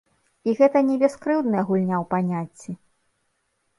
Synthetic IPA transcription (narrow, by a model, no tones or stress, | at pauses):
iɣɛt̪ɐnʲɛbʲɛskɾɨwd̪nɐjɐɣulʲnʲawpanʲat͡sʲːi